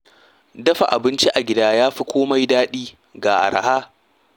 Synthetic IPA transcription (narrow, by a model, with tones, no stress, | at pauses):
dɐ˦ɸa˨ʔa˨bɪ˦nt͡ʃi˦ʔa˨ɡʲɪ˦daː˦jaː˦ɸi˦kʷoː˦ma˦jdaː˦ɗiː˦ | ɡaː˨ʔa̰˨ɾa̰˨haː˦